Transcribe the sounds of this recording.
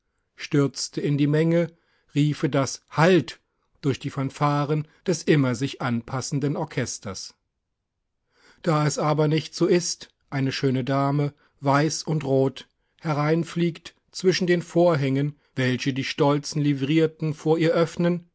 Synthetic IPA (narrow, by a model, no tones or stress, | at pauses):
ʃtʏɐt͡stʰəɪndiːmɛŋə | ʁiːfədashalt | d̥ʊɐçd̥iːfɐnfaːʁənd̥ɛsʔɪmɐzɪçʔanpʰasn̩dənɔɐkʰɛstɐs | d̥aːɛsʔaːbɐnɪçtz̥oːʔɪst | ʔaɪnəʃøːnədaːmə | vaɪsʊntʁoːt | hɛʁaɪnfliːkt | t͡sv̥ɪʃn̩deːnfoːɐɦɛŋən | vɛlçədiːʃtɔlt͡sn̩livʁiːɐtn̩foːɐiːɐʔœfnən